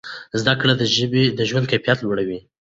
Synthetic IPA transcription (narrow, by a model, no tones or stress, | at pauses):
zd̪akɽad̪əʒəbed̪əʒwand̪̚kajfijat̪lwaɽawi